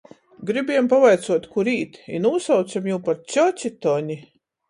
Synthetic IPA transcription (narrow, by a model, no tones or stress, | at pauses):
ɡɾibiɛmpavajt̪suɔt̪kuɾiːt̪ḭnuːsawt̪samjuːpaɾt͡ʃɔt͡ʃit̪ɔɲi